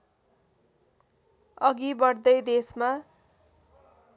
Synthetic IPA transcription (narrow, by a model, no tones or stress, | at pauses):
ʌɡibʌɽd̪ʌjd̪esma